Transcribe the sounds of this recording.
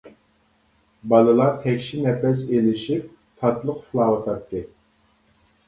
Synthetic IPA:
bɑlˠɨlˠɑɾt̪ʰɛkʲʃinɛpɛs̬elɪʃip̚ | t̪ʰɑt̪lˠəqfɨlˠɑːwət̪ʰɑt̪ːɨ

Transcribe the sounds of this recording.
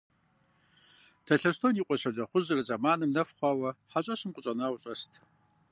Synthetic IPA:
tʰɐɬɐstʰoniːqʷʼɔɕɐdɐχʷʊzɨrɨzɐmaːnɨmnɐfχʷɑːwɐħaɕʼɐɕɨmqʷʼʊɕʼɐnawʊɕʼɐstʰ

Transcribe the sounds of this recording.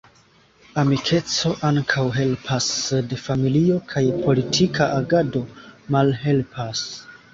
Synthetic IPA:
amikʰe̞t͡so̞ʔaŋkʰawɦe̞lpʰasde̞familio̞kʰajpʰo̞litʰikʰaʔaɡado̞malɦe̞lpʰas

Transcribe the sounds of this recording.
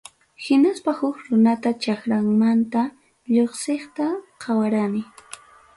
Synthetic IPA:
hɪnaspahʊkɾʊnat̪at͡ʃakɾaŋmant̪a | ʎoχsɪχt̪aqʰɑwaɾanɪ

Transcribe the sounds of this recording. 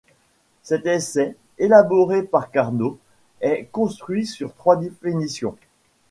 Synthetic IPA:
sɛt̪ɛsɛ | elabɔʁepaʁkaʁno | ɛkɔ̃st̪χɥisyʁt̪χwad̪efinisjɔ̃

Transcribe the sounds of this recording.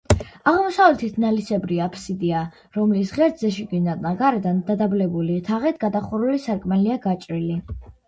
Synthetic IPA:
aʁmɔsavlɛt̪ʰit̪ʰnalisɛbɾiapʰsid̪ia | ɾɔmlisʁɛɾd̪zɛʃiɡinat̪ʼnaɡaɾɛd̪and̪ad̪ablɛbulit̪ʰaʁɛt̪ʰɡad̪aχuɾulisaɾkʼmaliaɡat͡ʃʼɾili

